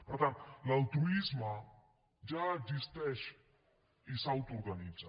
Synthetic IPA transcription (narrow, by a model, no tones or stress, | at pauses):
pəɾt̪ant̪lalt̪ɾuizma | d͡ʒaːɡzist̪ɛʃ | isawt̪oɾɣanid͡za